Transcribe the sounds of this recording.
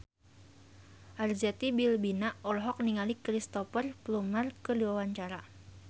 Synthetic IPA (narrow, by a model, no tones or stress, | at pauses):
ʔard͡ʒat̪ibilbinaɔlɦɔk̚niŋalikɾist̪ɔfərplumərkədiwawaɲt͡ʃaɾa